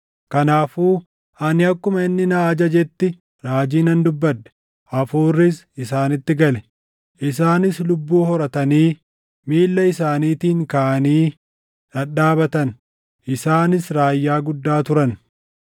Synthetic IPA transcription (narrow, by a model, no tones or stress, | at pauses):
kɐnaːfuː | ɐnɪɐkːʊmɐɪnːɪnaːd͡ʒɐd͡ʒɛt̪ːɪ | ɾaːd͡ʒiːnɐnd̪ʊbːɐt̪ːɛ̥ | ɐfuːrːɪs | ɪsaːnɪt̪ːɪɡɐlɛ | ʔɪs̬aːnɪslʊbːuːhɔɾɐt̪ɐniː | miːlːɐɪsaːniːt̪iːŋkaʔɐniː | ᶑɐɗaːbɐt̪ɐn | ʔɪsaːnɪsɾaːjːaːɡʊd̪ːaːt̪ʊɾɐn